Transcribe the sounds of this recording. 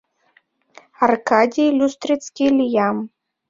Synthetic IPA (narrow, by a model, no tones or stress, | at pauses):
ɐrkad̪ʲilʲust̪ɾɨt̪sʲkʲilʲijam